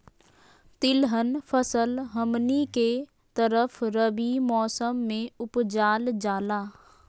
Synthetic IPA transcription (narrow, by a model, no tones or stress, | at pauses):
t̪ɪlɦənpʰəsəlɦəmnike | t̪əɾəfʰɾəbimɔːsəmːẽʊpd͡ʒaːld͡ʒaːlaː